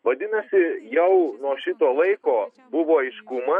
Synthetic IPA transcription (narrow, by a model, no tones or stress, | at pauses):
ʋɐd̪ʲɪnɐsʲɪjɛʊnoɔʃʲɪt̪oːlˠɐɪkoː | bʊʋoːɪʃkumɐ